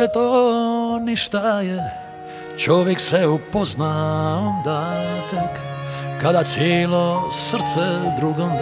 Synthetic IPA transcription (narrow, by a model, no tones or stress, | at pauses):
ɛt̪o | niʃt̪aje | t͡ʃoʋjeksʋɛupoznaond̪at̪ekːad̪at̪sjeːlosr̩t̪sɛd̪ɾuɡomd̪